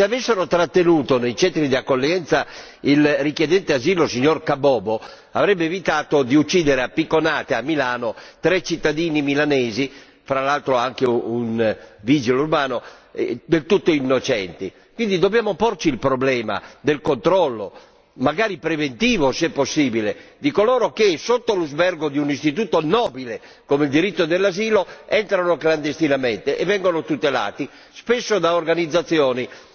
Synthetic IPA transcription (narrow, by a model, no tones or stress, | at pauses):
seavɛsːeɾot̪ɾat̪ːenuːt̪onejt͡ʃɛnt̪ɾid̪iakːolːjɛnt̪sa | ilrikjɛd̪ɛnt̪eaziːlosiɲːorkabɔːbo | avɾɛbːeːvit̪aːt̪od̪iut͡ʃːiːd̪ɛɾeapːikːonaːt̪eamːilaːnot̪ɾɛt͡ʃːit̪ːad̪iːnimilanɛːzi | fɾalalt̪ɾoaŋk̟eunviːd͡ʒilourbaːnoɛd̪elt̪ut̪ːoinːot͡ʃɛnt̪i | kwind̪id̪objaːmoport͡ʃilpɾoblɛːma̰d̪elkont̪ɾɔlːo̰ | maɡaːɾipɾevent̪iːvosɛpːosːiːbiled̪ikolɔːɾokesot̪ːoluzbɛrɡod̪iunist̪it̪uːt̪onɔːbile | komeild̪iɾit̪ːod̪elːaziːloɛnt̪ɾanokland̪est̪inament̪eʔɛvːɛŋɡonot̪ut̪ela̰ːt̪i | spesːod̪aorɡanid̪zːat̪sːjɔːni